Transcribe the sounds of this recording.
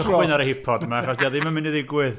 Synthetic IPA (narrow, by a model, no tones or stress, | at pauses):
ɔɨnaɾəhɪpʰɔdmaaχɔsdiaðɪmənminiðɪɡwɪð